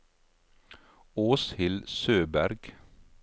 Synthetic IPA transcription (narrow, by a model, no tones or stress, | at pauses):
oːshɪlsøːbæɾɡ